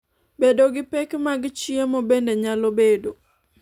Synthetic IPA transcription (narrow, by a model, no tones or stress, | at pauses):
bedoɡɪpɛkmaɡɪt͡ʃiemobendeɲalobedo